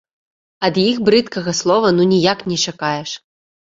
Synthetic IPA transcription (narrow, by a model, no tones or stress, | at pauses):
ɐd̪jixbɾɨt̪kɐɣɐslˠɔvɐnunʲijaknʲɛt͡ʂakajɛʂ